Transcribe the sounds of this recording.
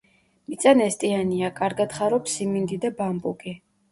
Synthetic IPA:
mit̪sʼanɛst̪ʼianiakʼaɾɡad̪χaɾɔpsimind̪id̪abambʼukʼi

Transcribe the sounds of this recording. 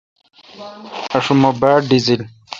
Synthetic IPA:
ɐʂumobaːɖizil

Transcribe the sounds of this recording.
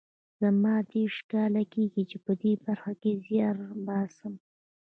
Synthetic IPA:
z̥amɑd̪eʂkɑlakeɡit͡ʃepəd̪ebaɾxakezjɑɾbɑsəm

